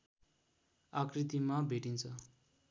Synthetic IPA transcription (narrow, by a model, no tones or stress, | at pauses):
akrit̪imabʱeʈint͡sʰʌ